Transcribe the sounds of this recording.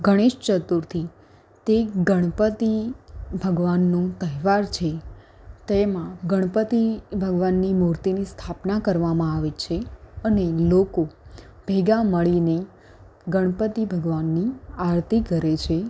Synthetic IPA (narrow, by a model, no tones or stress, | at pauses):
ɡʱəɽ̃eʃt͡ʃət̪uɾt̪ʰi | t̪eɡəɽ̃pət̪ibʱəɡʋanːũt̪əɦʋaɾt͡ʃʰe | t̪emãɡəɽ̃pət̪ibʱəɡʋanːimuɾt̪inist̪ʰapnakəɾʋamãaʋet͡ʃʰeənelokobʱeɡaməɭine | ɡəɽ̃pət̪ibʱəɡʋanːiaɾt̪iɡʱəɾet͡ʃʰe